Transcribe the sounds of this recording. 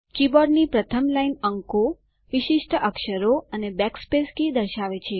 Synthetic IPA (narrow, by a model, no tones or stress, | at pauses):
kibɔɾɖnipɾət̪ʰəmlainəŋko | ʋɪʃɪʃʈʰəʔəkʃəɾoənebɛkspeskid̪əɾʃaʋet͡ʃʰe